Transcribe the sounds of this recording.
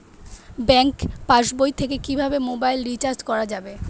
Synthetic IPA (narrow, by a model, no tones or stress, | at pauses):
bɛŋkpaʃbojt̪ʰekekibʱabemobajlɾit͡ɕaɾstkɔɾad͡ʑabe